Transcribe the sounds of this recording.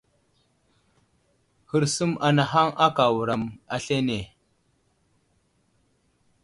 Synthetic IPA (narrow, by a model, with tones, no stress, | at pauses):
hi˨ɾsu˦ma˨na˨ɦa˦ŋa˦ka˨wu˨ɾa˨ma˨ɬe˦ne˨